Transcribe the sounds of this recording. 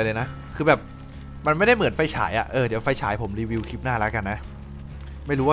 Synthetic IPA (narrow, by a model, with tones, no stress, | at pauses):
jlɤː˧jna˦˥ | kʰɯː˧bɛː˨˩p̚ | ma˧nma˥˩jda˥˩jmɯ˩˦nfa˧˩jt͡ɕʰa̰ː˩˦jʔa̰˨˩ʔɤː˧˩di˩˦wfa˧˩jt͡ɕʰa̰ː˩˦jpʰo˩˦mɾiː˧wi˧wkʰi˦˥p̚naː˥˩lɛ˦˥ka˧nːa˦˥ʔ | ma˥˩jɾuː˦˥wa˥